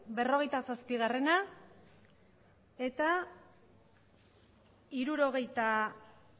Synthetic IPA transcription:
be̞ro̞ɣe̞jt̪asaspiɣ̞are̞na | e̞t̪a | iɾuɾo̞ɣ̞e̞jt̪a

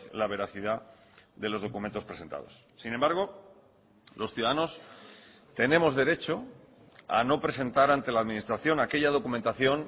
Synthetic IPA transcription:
laβ̞e̞ɾaθiðaðe̞lo̞zð̞o̞kument̪o̞spɾe̞se̞nt̪a̰ðo̞̰sːinẽ̞mbaɾɣ̞o̞ | lo̞sθjuðaðano̞s | t̪enẽ̞mo̞zðe̞ɾe̞t͡ʃo̞ | a̰no̞pɾe̞se̞nt̪aɾant̪e̞laðmĩnist̪ɾaθjo̞nake̞ʝað̞o̞kument̪aθjo̞n

